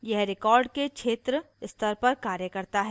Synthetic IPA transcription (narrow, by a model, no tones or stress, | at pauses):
jɛɦɾɪkɔːɾɖkekʃʰeːt̪ɾə | ɪst̪ʰəɾpɐɾkaːɾjəkɐɾt̪aɦɛː